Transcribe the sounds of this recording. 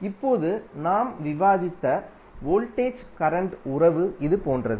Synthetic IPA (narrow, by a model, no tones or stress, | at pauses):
ɪpːoːðɯnaːmʋɪʋaːðɪt̪ːɐ | ʋoːlʈeːt͡ʃkɐɾɐɳʈʊrɐʋɯɪðɯpoːndrɐðɯ